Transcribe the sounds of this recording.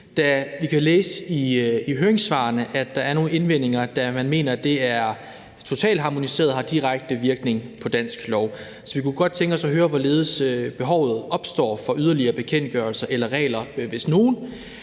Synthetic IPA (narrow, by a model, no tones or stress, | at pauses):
d̥æʋikʰæleːsəiiɦøːe̝ŋsʋɑ̰̈ːnəʔæ̥ɑ̈æɐno̝ːn̩e̝nʋen̰e̝ŋɐd̥æmænme̝̰ːnɐd̥e̝æɐ | t͡sʰo̝t͡sʰɛ̰ːld̥ɦɑ̈mo̝nise̝̰ːɐð̩ˠhɑ̈d̥iʁaɡ̥̚d̥əʋiɐɡ̥ne̝ŋpʰɒ̽d̥æn̰sɡ̥lɒʊ | sɒ̽ʋikʰuɡ̥ɒ̽d̥̚t͡sʰeŋɡ̥ɒ̽sɒ̽ɦøːɐʋɒle̝ːð̞ˠəsøb̥e̝ɦɒʊ̰ð̞̩ˠɒ̽b̥sd̥ɒ̰ːfɒ̽yð̞ˠɐliɐːb̥e̝kʰen̰d̥̚ɡ̥ɶɐlsɐʔelɐʁɛ̰ːlɐʋe̝sno̝ːn